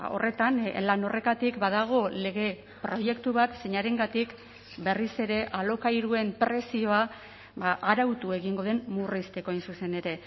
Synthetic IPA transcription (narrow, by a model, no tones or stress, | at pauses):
o̞re̞t̪anlano̞re̞t̪at̪ikbaðaɣ̞o̞le̞ɣ̞e̞ | pɾo̞je̞kt̪uβat̪se̞ɲaɾe̞ŋɡat̪ik | be̞rise̞ɾe̞ʔalo̞kajɾue̞mpɾe̞sio̞a | baʔaɾawt̪ue̞ɣiŋɡo̞ð̞e̞mmurist̪e̞ko̞ajnsuse̞ne̞ɾe̞